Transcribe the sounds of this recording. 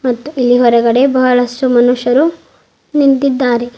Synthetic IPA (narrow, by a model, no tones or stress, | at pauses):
mɐt̪ːuʔilːiɦɔɾɐɡɐɽe̞bɐɦɐɭɐsʈumɐnuʂɐɾu | nint̪id̪ːaːɾe̞